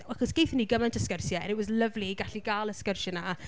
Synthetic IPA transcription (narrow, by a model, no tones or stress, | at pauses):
aχɔsɡ̥ejθəniɡəmɛntʰəskərsjɛ̰nɛwɔzləvliɡaɬiɡaːlˠəskərsjɛna